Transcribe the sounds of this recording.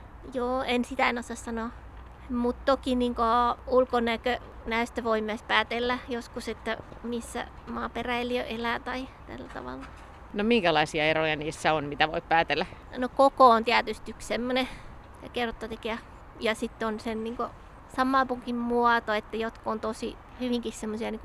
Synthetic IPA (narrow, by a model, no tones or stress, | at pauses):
joːensit̪æinosɑssɑnoˑ | mut̪t̪okiniŋkoulkonæˑkø | næyst̪æʋoimæspæːt̪elːæjoskuset̪ːæmisːæ̰ | mɑːperæeliøʔelæˑt̪ɑit̪æ̰lːæt̪ɑ̰ʋɑ̰lːɑ | nomiŋkælɑisiɑerojɑniːsːæonmit̪æʋo̰ippæːt̪elːˑæ | nokokoont̪iæt̪yst̪yksemːone | ɑkerot̪ːɑt̪ekeæ | jɑsit̪ːonsenniːŋko | sɑmːɑlpuŋkimmuɑt̪oet̪ːæjot̪kuont̪osi | hyʋiŋkissemːosiɑniːŋku